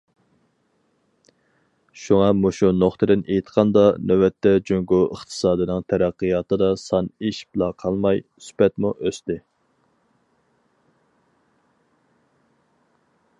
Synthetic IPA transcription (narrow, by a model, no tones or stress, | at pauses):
ʃuŋɑmoʃunoχt̪ʰɨd̪ɪnʔejt̪qʰɑnd̪ɑnʔøwɛt̪ʰːɛd͡ʒøŋɡuəχt̪ʰɨ̥sɑːd̪ɨnɨŋt̪ʰæɾæqːɨjɑːt̪ɨd̪ɑsɑniʃblˠɑqʰɑlˠmɑj | sy̥pɛt̪muʔøst̪ɪ